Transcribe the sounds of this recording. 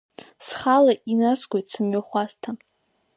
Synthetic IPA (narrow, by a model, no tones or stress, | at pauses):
sχalaʔinasɡʷojtsɨmɥaχʷastʰa